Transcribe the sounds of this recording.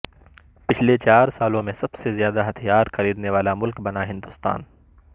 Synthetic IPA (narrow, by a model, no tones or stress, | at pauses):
pɪt͡ʃʰlet͡ʃaːɾsaːlõmẽsɐbsezjaːd̪aɦɐt̪ʰijaːɾxɐɾiːd̪neʋaːlamʊlkbɐnaɦɪ̃nd̪ʊst̪a̰ːn